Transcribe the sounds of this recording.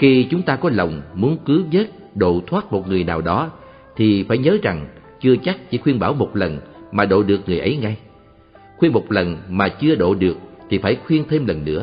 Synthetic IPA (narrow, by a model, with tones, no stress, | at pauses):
xi˧t͡ɕʊ˨˦ŋ͡mt̪aː˧kɔ˨˦lə˨˩wŋ͡mmu˨˦ənkɨ˨˦ɲə˦˥t̚ | ɗo̰˧˨t̪ʰwaː˦˥t̚mo˨˩t̚ŋɨ˨˩əjnaː˨˩wɗɔ˨˦ | t̪ʰi˨˩faː˧˩jɲəː˨˦za˨˩ŋ | t͡ɕɨ˧ət͡ɕa˦˥k̚t͡ɕḭ˧˩˦xwi˧ənɓaː˧˩wmo˨˩t̚lə˨˩nmaː˨˩ɗo̰˧˨ɗɨ˨˩ək̚ŋɨ˨˩əjʔə˨˦jŋa˧j | xwi˧ənmo˨˩t̚lə˨˩nmaː˨˩t͡ɕɨ˧əɗo̰˧˨ɗɨ˨˩ək̚t̪ʰi˨˩faː˧˩jxwi˧ənt̪ʰe˧mlə˨˩nːɨ̰˧˥ə